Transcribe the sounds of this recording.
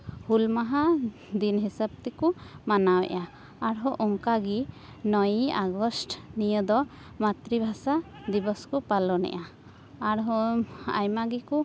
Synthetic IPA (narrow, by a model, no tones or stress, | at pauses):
hulmaɦa | d̪inɦisab̚t̪ɛkumanawɛ̰ʔaː | ɾɦɔʔɔŋkaɡi | nɔjaɡɔsʈnijəd̪ɔ | mat̪ɾibʱasa | d̪ibɔskupalɔnɛ̰ʔaː | ɾɦɔa̰jmaɡiku